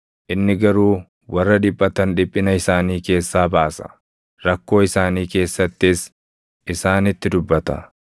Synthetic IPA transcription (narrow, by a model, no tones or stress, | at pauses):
ʔɪnːɪɡɐɾuː | wɐrːɐᶑ̪ɪpʼːɐt̪ɐnᶑɪpʼːɪnɐɪsaːniːke̞ːsːaːbaːsɐ̥̰ | ɾɐkːo̞ːɪsaːniːke̞ːsːɐt̪ːɪs | ʔɪsaːnɪt̪ːɪd̪ʊbːɐt̪ɐ̰